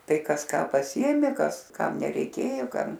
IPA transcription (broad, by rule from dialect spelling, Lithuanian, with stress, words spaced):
ˈtɐɪ ˈkɐs ˈkɑː pɐˈsʲɪeːmʲeː ˈkɐs ˈkɐm nʲɛrʲɛɪˈkʲeːjoː ˈkɐm